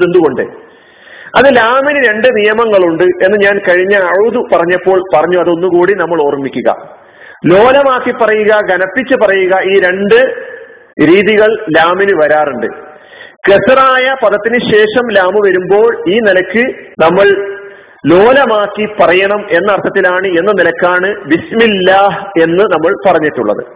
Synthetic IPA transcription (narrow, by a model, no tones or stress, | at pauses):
end̪uɣo̞ɳɖɨ̰ | ɐðɨlaːminɨɾe̞ɳɖɨnijɐmɐŋːɐɭuɳɖɨʔe̞nːɨɲaːnkɐɻiɲːɐːɻuðupɐrɐɲːɐpːo̞ːɭpɐrɐɲːuɐðo̞nːukuːɽinɐmːɐɭo̞ːrmikʲːuɣɐ̰ | lo̞ːlɐmaːkːipːɐrɐjuɣɐɡɐnɐpːit͡ɕːɨpɐrɐjuɣɐiːɾe̞ɳɖɨ | ɾiːðiɣɐɭlaːminɨʋɐɾaːruɳɖɨ̰ | kesraːjɐpɐðɐt̪ːinɨɕe̞ːʂɐmlaːmɨʋɐɾumbo̞ːɭiːnilɐkːɨnɐmːɐɭ | lo̞ːlɐmaːkːipɐrɐjɐɳɐme̞nːɐːrt̪ʰːɐt̪ːilaːɳɨe̞nːɐnilɐkʲːaːɳɨbismilːaːhe̞nːɨnɐmːɐɭpɐrɐɲːiʈːuɭːɐ̰ðɨ̰